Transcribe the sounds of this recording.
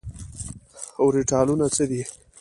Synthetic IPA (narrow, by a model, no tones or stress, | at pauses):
awɾiʈɑlunat͡səd̪i